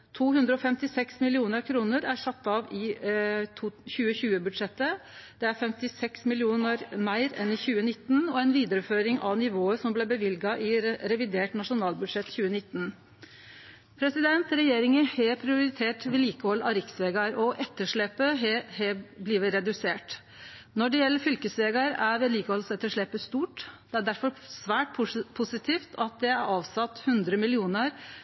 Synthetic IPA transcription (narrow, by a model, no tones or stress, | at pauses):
t̪ʰuːhʉnd̪ɾəɔfɛmt̪ɪsɛksmɪlɪuːnəɾkʰɾuːnəɾæʂɑt̪ːɑʋɪ | çʉːəçʉːəbʉd̪ʂɛt̪ːəd̪̥ɛæɾfɛmt̪ɪsɛksmɪlɪuːnəɾmæɪɾɛ̰nɪçʉːənɪt̪ːnɔænʋiːd̪əɾəføːɾɪŋʔɑ̰ʋnɪʋoːəsɔmblɛbəʋɪlɡɑʔɪɾɛʋɪd̪eːʈnɑʂʊnɑːlbʉd̪ʂɛt̪ːçʉːənɪt̪ːn | pʰɾɛsɪd̪ɛnt̪ɾɛjeːɾɪŋəheːpʰɾɪʊɾɪt̪ʰeːʈʋɛliːkəhɔlːɑɾɪksʋeːɡɑɾɔʔɛt̪ːəʂɭɛpːəɦhebliːʋəɾɛd̪ʉseːʈ | nɔɖɛjɛlːəfʏlkəsʋeːɡɑɾæɾʋɛliːkəhɔlsɛt̪ːəʂɭɛpːəst̪uːʈd̪̥ɛæɖæɾfɔɾsʋæːʈpʰpʰʊsɪt̪ʰiːft̪ʰɑt̪̚d̪ɛæɾɑːʋsɑt̪ːhʉnd̪ɾəmɪlɪuːnəɾ